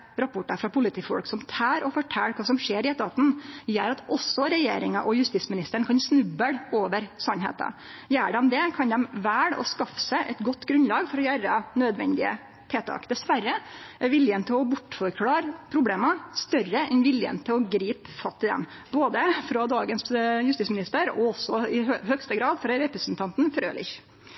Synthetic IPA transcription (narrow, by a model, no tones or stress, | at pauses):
ɾɑpʰʊʈːɑfɾɑpʰʊlɪt̪ʰiːfɔ̰lksɔmt̪ʰɑːɾɔfɔʈʰɛlːkʰɑːsɔmʂeːɾɪɛt̪ɑːt̪n̩jæːɾɑt̪ʔɔsːɔɾɛjeːɾɪŋɑʔɔjʉst̪iːsmɪnɪst̪əɳkʰɑnsnʉbːəɽoːʋəɾsɑnɦḛːt̪ɑ̰jæːɖɛmd̪ɛkʰɑnd̪ɛmʋæːɽɔ̰skɑfə̥sæʔɛt̪ɡɔt̪ːɡɾʉnlɑːɡfɔɾɔjæɾɑnød̪ʋɛ̰nd̪ɪə̰ | t̪ʰeːt̪ʰɑ̰ːkd̪ɛsʋærːəʔæɾʋɪljənt̪ʰɪlɔbʊʈːfɔɾkʰɽɑːɾpʰɾʊbleːmɑst̪œrəʔɛnʋɪljə̰nt̪ʰɪlɔɡɾiːpfɑt̪ʰːɪd̪ɛ̰m | boːd̪əfɾɑd̪ɑːɡənsjʉst̪iːtsmɪnɪst̪əɾɔ̰ɔsːɔɪhœkst̪əɡɾɑːd̪fɾɑɾɛpɾəsnt̪ʰɑnt̪n̩fɾø̰ːlɪ̰ç